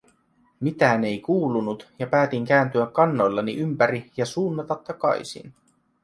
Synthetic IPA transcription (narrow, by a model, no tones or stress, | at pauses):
mit̪æːne̞jkuːlunut̪jɑpæːt̪iŋkæːnt̪yækːɑnːo̞jlːɑniʔympæɾijɑsuːnːɑt̪ɑt̪ːɑkɑ̰jsḭn